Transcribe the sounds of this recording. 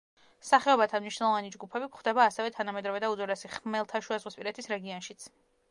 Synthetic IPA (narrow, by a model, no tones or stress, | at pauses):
saχɛɔbat̪ʰanmniʃnɛlˠɔvanid͡ʒɡupʰɛbikχd̪ɛbaːsɛvɛt̪ʰanamɛd̪ɾɔvɛd̪aud̪zɔɾɛsiχmɛlˠt̪ʰaʃuazʁwispʼiɾɛt̪ʰisɾɛɡiɔnʃit̪sʰ